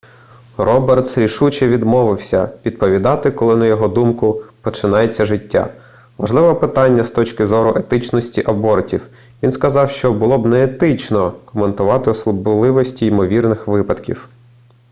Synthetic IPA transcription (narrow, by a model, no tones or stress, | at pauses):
rɔbert̪sɾʲiʃut͡ʃɛʋʲid̪mɔʋɪwsʲɐʋʲid̪pɔʋʲid̪ɑt̪ɪkɔlˠɪnɐjɔɦɔd̪umkʊpɔt͡ʃɪnɑjet͡sʲːɐʒɪtʲːa̰ | ʋɐ̰ʒlˠɪʋɐpɪt̪ɑnʲːɐst̪ɔt͡ʃkɪzɔɾʊʔet̪ɪt͡ʃnɔsʲtʲiʔɐbɔrtʲiw | ʋʲinskɐzɑwʃt͡ʃɔbʊlˠɔbnɛːt̪ɪt͡ʃnɔkɔment̪ʊʋɑt̪ɪɔslˠʊbʊlˠɪʋɔsʲtʲiimɔʋʲirnɪxʋɪpɐd̪kʲḭw